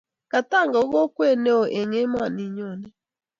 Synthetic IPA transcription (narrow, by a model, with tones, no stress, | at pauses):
ka˨ta˦˨ŋɡɔ˨˦ɣo˦kwe˦˨ne˦o˨ʔe˨ŋe˦ma˦˨ni˨ɲo˨ne˨